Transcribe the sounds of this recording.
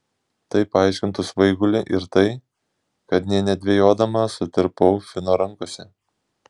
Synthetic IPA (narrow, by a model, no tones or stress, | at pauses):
t̪ɐɪpɐɑˑɪʃʲkʲɪnt̪ʊsʋɐɪɡʊlʲɪʔɪɾt̪ɐɪ | kɐt̪nʲɛnʲɛd̪ʲʋʲejoːd̪ɐmɐsʊt̪ʲɪɾpɔʊfʲɪnoːɾɐŋkoːsʲɛ